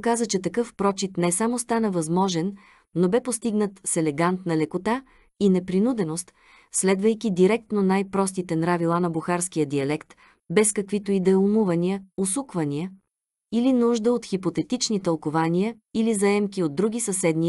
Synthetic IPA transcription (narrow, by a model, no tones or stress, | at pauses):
kazət͡ʃɛt̪ɐkɤfpɾɔt͡ʃit̪nɛsamost̪anəvɐzmɔʒɛnː | obɛpost̪iɡnət̪sɛlɛɡant̪nɐlɛkot̪a | inɛpɾinud̪ɛnost̪ | slɛd̪vəjkid̪iɾɛk̚t̪nonajpɾɔst̪it̪ɛnɾavilˠanɐbuxaɾskijəd̪iɐlɛkt̪ | bɛskɐkvit̪oid̪ɛlˠumuvɐniəosukvɐniə | ilinuʒd̪əot̪xipot̪ɛt̪it͡ʃnit̪ɐlˠkovaniə | ilizɐɛmkiod̪̚ːɾuɡ̟ʲisɐsɛd̪ni